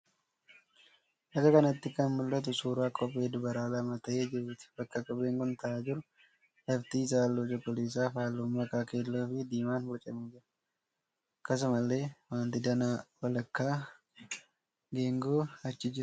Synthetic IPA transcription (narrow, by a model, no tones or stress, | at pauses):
ʔɐɡɐkɐnɐt̪ːɪkɐnmʊlːɐt̪̬ʊsuːɾaːkʼɔpʼːe̞ːd̪ʊbɐɾaːlɐmɐt̪ɐʔeːd͡ʒɪɾʊt̪ɪ̥b̥ɐkːɐkʼɔbeːŋkʊnt̪ɐʔaːd͡ʒɪɾʊ | lɐft̪iːs̬aːlːoːd͡ʒɐkʼɔleːs̬aːfaːlːʊmːɐkaːke̞ːlːoːfɪd̪iːmaːnbɔt͡ʃʼɐmiːd͡ʒɪɾɐ̥ | ɐkːɐs̬ʊmɐlːe̞ːwaːnt̪ɪd̪ɐnawɐlɐkːaː | ɡeːŋɡoːɐt͡ʃːɪd͡ʒɪɾʊ̥